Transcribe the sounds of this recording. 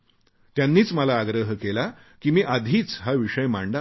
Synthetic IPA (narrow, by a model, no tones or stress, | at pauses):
t̪janːiːt͡sməlaːɡɾəɦkela | kiːmiːʔad̪ʱiːt͡sɦaʋiʂəjmaɳɖa